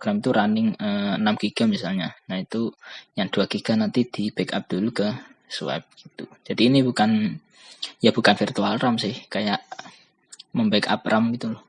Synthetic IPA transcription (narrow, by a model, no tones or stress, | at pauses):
ɡ̥ɾamit̪uɾanɪŋəənamɡ̥iɡ̥amisalɲanait̪ujaŋd̪̥uaɡiɡ̥a̤nant̪id̪̥ib̥ɛka̰p̚d̪̥ulukə | sṵɛ̰p̚ɡ̥i̥t̪ud͡ʒ̥ad̥iːnibukan | jab̥ukanfirt̪ualramsɪhkajaʔ | məmbɛka̰p̚rʔamɡit̪ulɔh